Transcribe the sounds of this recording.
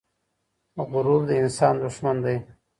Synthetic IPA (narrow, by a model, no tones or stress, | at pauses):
ɣʊɾuːbd̪əɪnsɑːnd̪uʂmand̪aj